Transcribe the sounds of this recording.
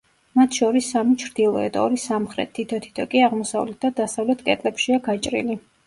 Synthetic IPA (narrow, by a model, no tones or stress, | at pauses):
mat̪ʰʃɔɾisːamit͡ʃʰɾd̪̥ilˠɔɛd̪ɔɾisamχɾɛ̰t̪ʰːit̪ʰɔt̪ʰi̥t̪ʰɔkʼiaʁmɔsa̰vlɛt̪̚d̪ad̪asavlɛt̪ʰkʼɛt̪ʼlɛpʃiaɡat͡ʃʼɾḭli